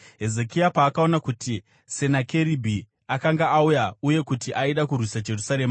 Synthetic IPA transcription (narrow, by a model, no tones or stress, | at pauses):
ɦe̞ze̞kiapaːkao̞nakuti | se̞nake̞ɾibʱi | akaŋɡaːujauje̞kutiʔaiɗakurwisad͡ʒe̞rusaɾe̞ːma